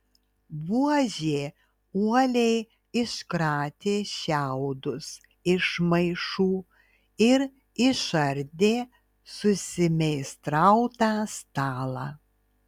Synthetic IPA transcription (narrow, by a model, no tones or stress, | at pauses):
ʋuɔʒʲeː | uɔlʲɛɪ | ɪʃkɾɑːt̪ʲeːʃʲæʊd̪ʊs | ɪʃmɐɪʃuː | ɪɾ | ɪʃɐɾʲd̪ʲeː | sʊsʲɪmʲɛɪst̪ɾɐʊt̪ɑːst̪ɑːlˠɑː